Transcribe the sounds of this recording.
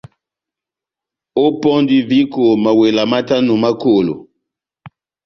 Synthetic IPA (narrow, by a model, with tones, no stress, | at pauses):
o˦pɔ˦ndi˨vi˦ko˨ma˨we˨la˨ma˦ta˦nu˨ma˦ko˨lo̰˨